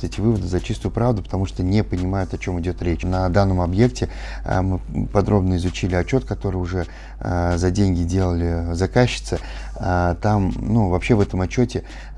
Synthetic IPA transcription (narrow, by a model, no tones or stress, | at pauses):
ɛtʲɪvɨvəd̪ɨzɐt͡ɕist̪ʊjʊpɾavd̪ʊpə̥t̪ɐmuʂt̪onʲɪpənʲɪmajʊt̪ɐt͡ɕo̞mɨdʲo̞t̪ɾʲet͡ɕnɐd̪anːəmɐbje̞k̚tʲɪ̰mɨpɐd̪ɾo̞bnəɪzʊt͡ɕilʲɪɐt͡ɕːo̞t̪kɐt̪o̞ɾɨjʊʐɛ | zɐdʲenʲɡʲɪdʲe̞lˠəlʲɪzɐkaɕːɪ̥t̪sə | at̪amnuvɐpɕːe̞vɛt̪əmɐt͡ɕːotʲɪ